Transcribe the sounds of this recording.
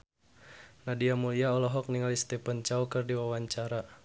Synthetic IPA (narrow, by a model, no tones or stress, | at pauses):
nadiamuliaɔlɔɦɔk̚niŋalist̪ɛpənt͡ʃaukɨrdiwawaɲt͡ʃaɾa